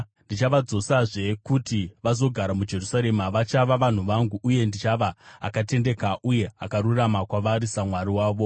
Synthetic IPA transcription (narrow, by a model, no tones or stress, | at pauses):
ndit͡ʃaʋad͡zo̞saʐe̞kutiʋazo̞ɡʱaɾamud͡ʒe̞rusaɾe̞maʋat͡ʃaʋaʋan̤uʋaŋɡuʔːje̞ndit͡ʃaʋa̰ːkate̞nde̞kaʔuje̞a̰kaɾuramakwaʋaɾisamwaɾiwaːʋo̞